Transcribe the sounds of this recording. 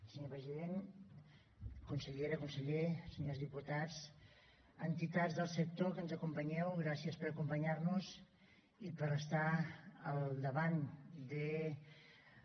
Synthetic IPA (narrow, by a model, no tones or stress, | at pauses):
səɲopɾəziðen | kunsəʎeɾəkunsəʎesəɲozðiput̪at͡s | ənt̪it̪azðəlˠsək̚t̪okənzəkumpəɲɛwɣɾasiəspəɾəkumpəɲarnuz | ipəɾəst̪aəlˠd̪əβand̪ə